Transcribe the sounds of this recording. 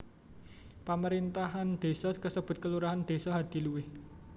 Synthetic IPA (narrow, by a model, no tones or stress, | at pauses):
paməɾint̪aɦand̪̥e̤sɔkəsəb̥ʊ̤t̪̚kəluɾaɦand̪̥e̤sɔɦad̪̥i̤luwɪh